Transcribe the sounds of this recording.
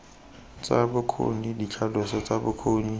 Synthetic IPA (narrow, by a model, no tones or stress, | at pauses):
t͡sabʊkʰo̰nidit͡ɬʰalʊsɔt͡sabʊkʰoːɲi